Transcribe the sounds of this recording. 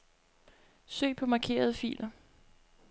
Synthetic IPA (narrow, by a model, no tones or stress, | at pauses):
sø̰ːɪpʰɒ̽mɑ̈ːkʰe̝̰ːɐð̞ˠəfḭːlʔɐ